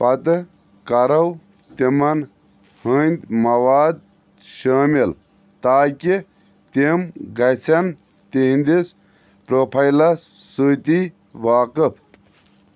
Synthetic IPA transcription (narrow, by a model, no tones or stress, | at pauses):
pɐt̪ɨ | kɐɾɐw | t̪imɐn | hɨnʲd̪mɐʋaːd̪̚ | ʃaːmil | t̪aːki | t̪emɡɐt͡sʰɐn | t̪eɦĩnd̪is | pɾoːpʰɐjlɐsːut̪i | ʋaːkɨpʰ